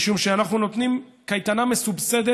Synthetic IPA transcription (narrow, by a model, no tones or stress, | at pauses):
ʃumʃeanaχnuno̞t̪nimkajt̪aname̞subsed̪e